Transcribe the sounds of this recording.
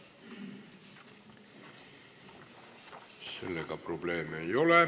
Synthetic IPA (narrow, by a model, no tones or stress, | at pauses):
sḛlːekɑprobleːmejole